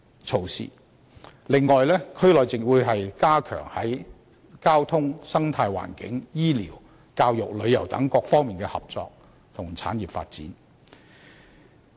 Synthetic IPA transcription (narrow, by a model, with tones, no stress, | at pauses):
t͡sʰo˨˧wsḭː˨˩ | lɪ˨ŋːɔː˨jlɛː˥kʰɵ˥ɥlɔː˨jt͡sɪ˨ŋwuː˨˧jɦɐ˨jkaː˥kʰœ̰ː˨˩ŋhɐ˨˥j | kaː˥wt̪ʰʊ˥ŋsɐ˥ŋt̪ʰaː˧jwa̰ː˨˩nkɪ̰˨˥ŋjiː˥lḭː˨˩w | kaː˧wjʊ˨k̚lɵ˨˧ɥjɐ˨˩wt̪ɐ̰˨˥ŋkɔː˧k̚fɔː˥ŋmiː˨nkɛː˧hɐ̰˨p̚t͡sɔ̰ː˧k̚ | t̪ʰʊ˨˩ŋt͡sʰa̰ː˨˥njiː˨pfa̰ː˧t̚t͡sḭː˨˥n